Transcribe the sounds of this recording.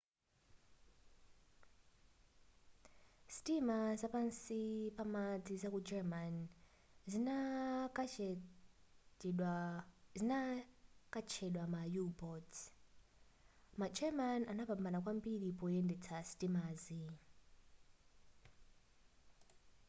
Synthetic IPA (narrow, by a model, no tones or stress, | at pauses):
stimazapansipamad͡zizakud͡ʒɛman | z | zinakat͡ʃʰɛɗwamajubɔt | mad͡ʒɛmananapambanakwambiɺipɔjɛndɛt͡sʰasitimaːzi